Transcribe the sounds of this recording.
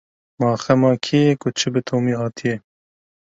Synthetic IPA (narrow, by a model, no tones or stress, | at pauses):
mɑːxɛmɑːkʰijɛkʊt͡ʃʰɨbɨt̪ʰoːmiːɦɑːt̪ʰijɛ